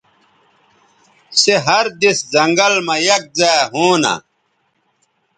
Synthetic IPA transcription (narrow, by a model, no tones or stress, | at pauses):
seɦɐɾd̪iszɐŋɡɐlmɐjɐk̚zaɦuːna̰